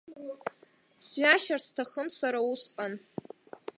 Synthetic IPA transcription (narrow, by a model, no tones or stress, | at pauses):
sɥaʃarstʰaχəmsaɾausqʼan